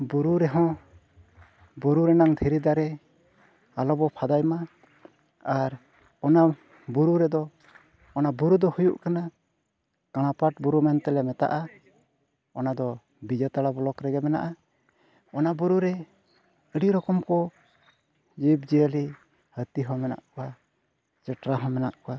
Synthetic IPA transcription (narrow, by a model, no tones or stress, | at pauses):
buɾuɾɛɦɔ̃ | buɾuɾɛnaŋt̪ʰiɾid̪aɾɛ | alɔbɔpʰad̪ajma | aɾ | ɔna | buɾuɾɛd̪ɔː | nabuɾud̪ɔhujuʔkana | kaɽ̃apaʈ̚buɾumɛnt̪ɛlɛmɛt̪a̰ʔa | ɔnad̪ɔ | bid͡ʒat̪aɽabɔlɔkɾɛɡɛmɛna̰ʔa | ɔnabuɾuɾɛ | əɽiɾɔkɔmkɔ | d͡ʒibd͡ʒiəli | hət̪iɦɔmɛna̰ʔkɔwa | t͡ʃəʈɾaɦɔ̃mɛna̰ʔkɔwa